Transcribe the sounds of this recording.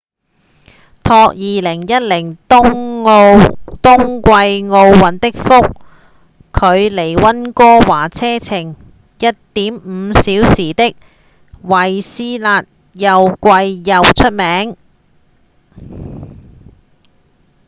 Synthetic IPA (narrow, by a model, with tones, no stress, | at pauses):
t̪ʰɔː˧k̚jiː˧lɪ˨˩ŋjɐ˥t̚lɪ˨˩ŋ˥ŋ˧ | t̪ʊ˥ŋkʷɐ˧jŋo˧wːɐ˨˥nt̪ɪ˥k̚fʊ˥k̚ʰː | ɵ˨˧ɥle˨˩jwɐ˥nkɔː˥waː˨˩t͡sʰɛː˥t͡sʰɪ˨˩ŋ | jɐ˥t̚t̪iː˨˥mm̩ː˨˧siː˨˥wsiː˨˩t̪ɪ˥k̚ | wɐ˨˩jsiː˥laː˧t̚ | jɐ˨wkʷɐ˧jːɐ˨wt͡ʃʰɵ˥t̚mɛː˨˥ŋ